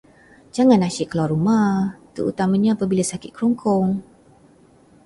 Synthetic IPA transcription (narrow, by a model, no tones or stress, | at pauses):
d͡ʒaŋãnaʃɪʔkəlaɾumaht̪ṵʔṵt̪amaɲaapabilasakɪt̪̚kɾɔŋkʰɔŋ